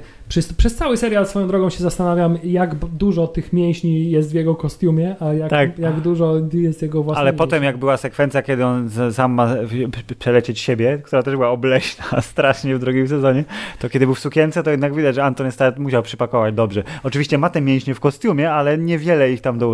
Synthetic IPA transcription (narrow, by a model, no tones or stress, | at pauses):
pʂɛspʂɛst̪sawɘsɛɾjalsfɔjɔ̃d̪ɾɔɡɔ̃w̃ɕɛzast̪anavʲjamjaɡd̪uʐɔt̪ɘxmʲjɛ̃w̃ɕɲijɛs̬t̪vʲjɛɡɔkɔst̪ʲjumʲjɛʔajat̪akjaɡd̪uʐɔjɛst̪jɛɡɔvwasalɛpɔt̪ɛmjaɡbɘwasɛkfɛnt̪sʲjakʲɛd̪ɘɔnsamːapʂɛlɛt͡ɕet͡ɕɕebʲjɛk̚t̪uɾat̪ɛʐbɘwaɔblɛɕnast̪ɾaʂɲɛvd̪ɾuɡʲimsɛzɔɲɛt̪ɔkʲɛd̪ɘbɘwsukʲɛnt̪sɛt̪ɔjɛd̪naɡvʲid̪ad͡ʑʐɛant̪ɔnɛst̪at̪muɕawpʂɘpakɔvad͡ʑd̪ɔbʐɛɔt͡ʂɨvʲiɕt͡ɕɛmat̪ɛmʲjɛ̃w̃ɕɲɛfkɔst̪ʲjumʲjɛalɛɲɛvʲjɛlɛixt̪amd̪ɔ